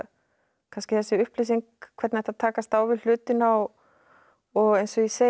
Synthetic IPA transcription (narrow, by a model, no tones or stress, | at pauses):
kʰanscɪθɛsːɪʏhplɪsiŋkkʰvɛt̪nɛht̪at̪ʰaːkast̪aːwvɪl̥ʏːt̪ɪna | ɔɣejnsɔjise